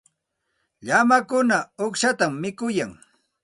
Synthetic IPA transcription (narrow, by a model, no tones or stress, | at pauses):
ʎamakʊnaoχʃat̪amːɪkʊjaŋ